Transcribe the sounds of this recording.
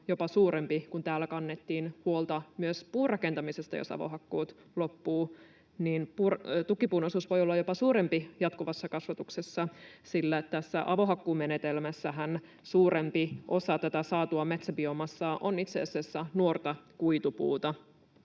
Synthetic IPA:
jo̞pɑsuːɾempikunt̪æːlːækɑnːet̪ːiːnhuolt̪ɑmyøspuːrɑkent̪ɑmisest̪ɑjo̰sɑ̰ʋo̰ɦɑkːuːt̪ | lopːuː | niːnpurt̪ukːipuːnosuːsʋo̞jolːɑjo̞pɑsuːɾempijɑt̪kuʋɑsːɑkɑsʋɑt̪uksesːɑsilːæt̪æsːæʔɑʋo̞ɦɑkːuːmenet̪elmæsːæɦæn | suːɾempiʔo̞sɑt̪æt̪æsɑːt̪uɑmet̪sæbiomɑsːɑʔonit̪sḛːsesːænuort̪ɑkuit̪upṵːt̪ɑ

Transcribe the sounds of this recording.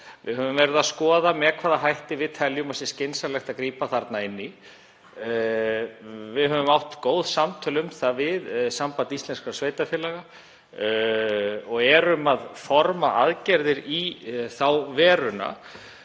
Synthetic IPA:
vɪ̰ɦœvʏmvɛɾɪðaðskɔːðamɛkʰvaːðaɦajht̪ɪvɪðt̪ʰɛljʏmasɪscejnsalɛxt̪akɾiːpaθaɾt̪naɪnːi | vɪðhɦœvʏmawht̪koːwðsamt̪ʰœlʏmθavɪðsampanist̪lɛnskasveːjt̪afjɛlaɣa | ɔɣɛɾʏmaðfɔɾma̰ʔaðcɛɾðɪɾiθawvɛːɾʏna̰

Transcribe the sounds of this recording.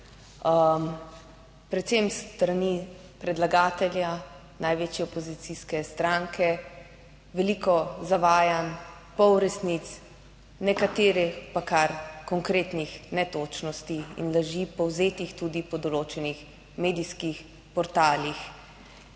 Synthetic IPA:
pɾɛt̪semst̪ɾani | pɾɛd̪laɡaːt̪ɛlja | najʋeːt͡ʃjɛɔpɔzit̪siskɛst̪ɾaŋkʰɛ | ʋɛlikɔzaʋaːjan | pɔwɾɛsnit̪s | nɛkat̪eːɾɛpakaɾkɔŋkɾeːt̪nixnɛt̪oːt͡ʃnɔst̪iḭnlaʒipɔwzeːt̪ixt̪uːd̪ipɔd̪ɔloːt͡ʃɛnix | meːd̪iskix | pɔɾt̪aːlix

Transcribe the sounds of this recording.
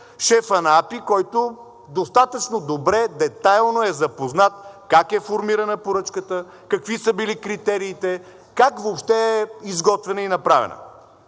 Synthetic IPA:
ʃɛfɐnapikɔjt̪o | d̪ost̪at̪ət͡ʃnod̪obɾɛd̪ɛt̪ajlˠnoɛzɐpoznat̪̚kakɛfoɾmiɾənəpoɾɤt͡ʃkət̪ə | kɐkvisəbilikɾit̪ɛɾiːt̪ɛ | kakvoːpʃt̪ɛɛizɡɔt̪vɛnəinɐpɾavɛ̰nə̰

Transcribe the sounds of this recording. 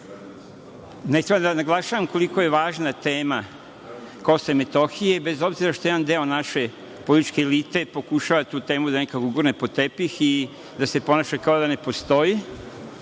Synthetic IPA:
net̪ɾebad̪anaɡlˠaʃaʋamko̞liko̞je̞ʋaːʒnat̪e̞ːma | ko̞semet̪o̞xije̞be̞zo̞bziɾaʃt̪ojed̪and̪eo̞naʃe̞ | polit̪i̥t͡ʃke̞ːlit̪e̞po̞kuʃaʋat̪uːt̪e̞ːmud̪anekakɡuɡuɾnepo̞t̪epixi | d̪ase̞po̞naʃekaod̪ane̞po̞st̪o̞ji

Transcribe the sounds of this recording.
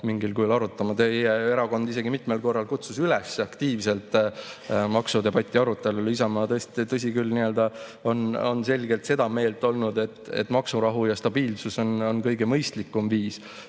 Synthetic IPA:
miŋɡilkulɑɾut̪ːˑɑmɑt̪ejee̞ɾɑɡo̞nd̪ise̞ɡimit̪melko̞rːɑlkut̪susylesːeɑkt̪iːvse̞lt̪ˑ | mɑksud̪e̞bɑt̪ʲˑːiɑɾut̪ːˑe̞lulis̬ɑmɑt̪ɤest̪t̪ɤs̬ʲikylniø̞ld̪̥ɑo̞no̞nse̞lʲɡ̥e̞lt̪se̞d̪̥ɑme̞ːlt̪ːˑo̞lnud̪e̞t̪ːˑḛt̪ːˑmɑksuɾɑɦujɑst̪ɑb̥iːlsuso̞no̞nkɤjɡe̞mɤjst̪likːˑumviːs

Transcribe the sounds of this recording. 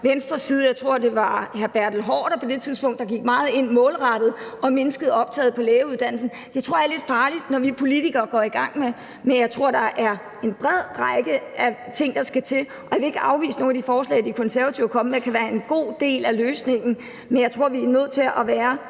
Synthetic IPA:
ʋensd̥ʁɐsiːð̞̩ˠjɑ̈ɪt͡sʰʁo̝ɐ̰d̥e̝ʋɑ̈hæɐb̥æɐ̰d̥l̩ɦɒ̰ːɾ̥ɐpʰɒ̽d̥e̝t͡sʰiðˠsb̥ɔ̽ŋ̰d̥ɑ̈ɡ̥iɡ̥mɑ̈ːð̞̩ˠe̝n̰mɔ̽ːlʁɑ̈ɾ̥ð̞̩ˠʔɒ̽me̝nəsɡ̥əð̞̩ˠɒ̽b̥̚t͡sʰɛ̰ːð̞̩ˠpʰɒ̽leːuðˠd̥æn̰l̩sn̩ | d̥et͡sʰʁo̝ɐ̰jɐle̝d̥fɑ̈ːlid̥nɒʋipʰo̝lit͡siɡ̥ɐːɡ̥ɒiɡ̥ɑ̈ŋ̰me | menjɑɪt͡sʰʁo̝ɐ̰d̥ɑ̈ʔæɐ | e̝nb̥ʁɛð̞̰ˠʁɑɪɡ̥əʔæt͡sʰe̝ŋ̰d̥ɑ̈sɡ̥æt͡sʰe̝l | ɒjʋe̝e̝ɡ̥əʔɑ̈ʊʋḭːsəno̝ːnæd̥ifɒːslɛ̰ːɪd̥ikʰɔ̽nsæɐʋæt͡sʰiʊ̰ɐkʰɒ̽məmekʰæʋæːɐe̝nɡ̥o̝̰ːd̥e̝̰ːlæløːsne̝ŋ̰n̩ | menjɑɪt͡sʰʁo̝ɐ̰ʋiænøð̰ˠt͡sʰe̝lʔɒʋæːɐ

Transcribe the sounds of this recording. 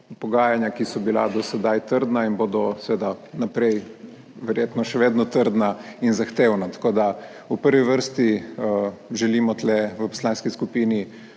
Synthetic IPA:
pɔɡaːjanjakisɔbila̰d̪ɔsɛd̪ajt̪əɾd̪nainboːd̪ɔsʋeːd̪anapɾɛj | ʋɛɾjeːt̪nɔʃɛʋeːd̪nɔt̪əɾd̪nainzaxt̪eːwnat̪ḁkoːd̪a | upəɾʋiʋəɾst̪i | ʒɛlimɔt̪lɛʋəpɔ̥slaːnskiskupiːni

